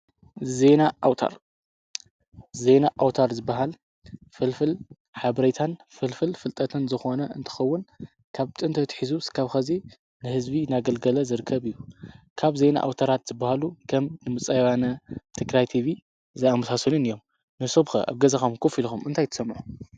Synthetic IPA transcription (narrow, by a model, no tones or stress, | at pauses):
ze̞naʔawt̪ʰa̰ɾ | ze̞naʔawt̪ʰaɾzɨbːaɦal | fɨlfɨl | ħaβɐɾɐjt̪ʰanfɨlfɨlfɨlt̪ʼɐt̪ʰɨnzɨxo̞nɐɨ̰nt̪ʰɐ̥xɐwːʊn | kʰaβt̪ʼɨnt̪ʰɐt̪ħizuskʰaβxɐzi | nɨhɨzbinaɡɐlɡɐlɐzɨɾɨkʰːɐβɨjːukʰaβze̞na̰ʔa̰wt̪ʰɐɾat̪z̥ɨbːahalukʰɐmnɨmɨt͡sʼajwanɐt̪ʰɨkɾajt̪ʰiβi | zɐjamɐsasɐnunɨijːom | nɨsoβxɐ̰ʔa̰βɡɐzɐxumkʰofilxumɨnt̪ʰajt̪ʰɐ̥sɐmːʕu